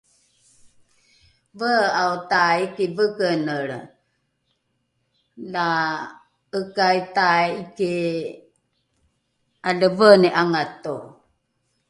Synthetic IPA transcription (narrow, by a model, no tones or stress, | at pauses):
vəautaikivəɡənəɾ | la | əkajtaiki | aləvəneʔaŋat̪o